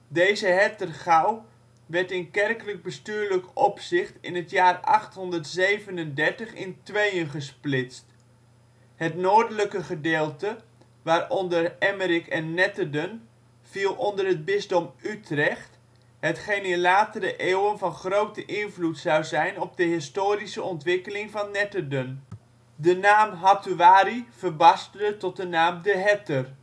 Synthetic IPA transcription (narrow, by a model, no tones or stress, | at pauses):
dejzəɦɛtərχaw | ʋɛɹtɪnkɛrkələɡ̚bəstyːɹləkɔpsɪχtɪ̰nɦətjaːrɑ̰χtɦɔndərtzejvənəndɛɹtəχɪntʋejənχəsplɪtst | hətnoːɹdələkəχədeːlˠtə | ʋaːɾɔndərɛməɾɪkʰɛnːɛtədən | v̥ilˠɔndərɦəd̚bɪzdɔmytrɛχt | ɦətχejnɪnlaːtəɾəʔeːwənvɑnχrowtəʔɪnvlutsɑwzɛjnɔb̚dəɦɪstoːɾisəɔntʋɪkəlɪŋvɑnːɛtədən | dənaːmɦatuaːɾiv̥ərbɑstədətɔt̚dənaːmdəɦɛtər